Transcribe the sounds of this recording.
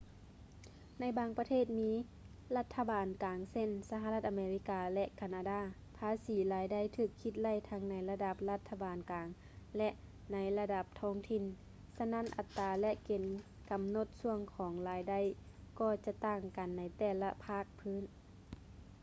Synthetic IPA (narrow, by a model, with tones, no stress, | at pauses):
na˧˥˩jbaː˧ŋpa˧t̪ʰeː˥˩t̪̚miː˧˥ | la˧t̪ʰːa˧baː˨nkaː˨˩ŋse˧˥˨nsa˧ɦa˧la˧t̪̚ʔa˨meː˧li˧˥kaː˨˧lɛ˧ʔkʰa˧˩naː˧daː˧˩˨ | pʰaː˧˥siː˨˦laː˨˧˦jda˧˥˨jt̪ʰɯː˧˩kʰːi˧t̪̚la˧˥˨jt̪ʰa˧˥ŋna˧˥jla˧da˧˩p̚la˧t̪ʰːa˧baː˨nkaː˨ŋ | lɛ˧ʔ | na˧˥jla˧da˧p̚t̪ʰɔː˧˥ŋt̪ʰi˧˨n | sa˧˥na˧˥˨nʔa˨˩t̪ːaː˨˩lɛ˧ʔke˨˩n | ka˨mno˧˦t̪̚su˧əŋkʰɔː˨˦ŋlaː˨˦jda˧˨jkɔː˧˩t͡ɕa˧˥t̪aː˧˩ŋka˨nːa˧jt̪ɛː˧˩la̰˧pʰaː˧˩k̚pʰɯː˧˥˨n